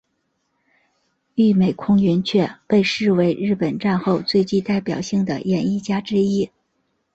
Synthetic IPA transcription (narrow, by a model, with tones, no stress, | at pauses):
y˥˩me˨˩ɪkʰʊ˥ŋɥɛ˧˥nt͡ɕʰɥɛ˥˧pe˥˧ɪʂɻ̩˥˩we˧˥ɪɻɻ̩˥˩pə˨˩nʈ͡ʂa˥˧nxo˥˧ʊt͡swe˥˧ɪt͡ɕi˥˧t̪a˥˩ɪpjɑ˨˩ʊɕi˥˩ŋd̪ə̰˩jɛ˨˩ni˥˩t͡ɕja˥ʈ͡ʂɻ̩˥i˥